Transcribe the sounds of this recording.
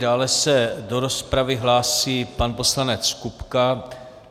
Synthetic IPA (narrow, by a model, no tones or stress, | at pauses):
daːlɛsɛdo̞ɾo̞spɾavɪɦlaːsiːpanpo̞slanɛt͡skupka